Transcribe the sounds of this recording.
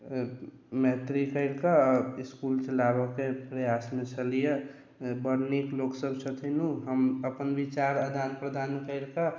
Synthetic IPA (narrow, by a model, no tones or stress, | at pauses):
meɦt̪ɾikəɪɾkaɪskuːlt͡ʃəlabəkepɾəjaːsmẽt͡ʃʰəlije | bəɾnikloːksəbsʰət̪ʰinũɦəməpənʋit͡ʃaːɾəd̪ʱaːnpɾəd̪ʱaːnkəɪɾka